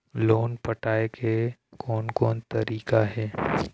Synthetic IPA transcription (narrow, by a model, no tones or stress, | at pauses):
loːnpɐʈaːekʰekʰɔːnkɔːnt̪ɐɾiːkaɦɛː